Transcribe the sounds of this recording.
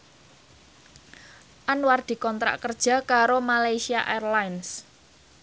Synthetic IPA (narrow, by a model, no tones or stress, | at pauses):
ʔanward̪̥i̤kɔnt̪ɾa̰ʔkərd̥ʒ̥a̤kaɾomalajsiaʔɛrlajns